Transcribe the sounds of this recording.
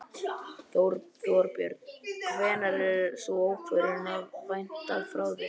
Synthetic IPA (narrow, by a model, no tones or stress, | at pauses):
θɾθoɾpjœ̰ɾt̪vɛːnaɾɛɾsɔoːwkʰvœɾɪnavvajn̥t̪aðfɾawvɪ